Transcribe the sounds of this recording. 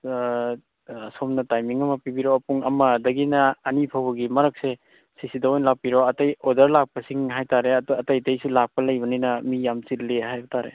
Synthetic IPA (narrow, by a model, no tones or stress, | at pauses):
somnɐtajmiŋɐmɐpibiɾoɐpuŋɐmɐdɐɡinɐːnipʰawbɐɡimɐɾɐk̚se | sisidɐojnlak̚piɾoɐtɐjodɐɾlak̚pɐsiŋɦajtaɾeɐdɐtɐjtɐjsulak̚pɐlɐjbɐninɐmijamt͡ʃillehajbɐtʰaɾḛ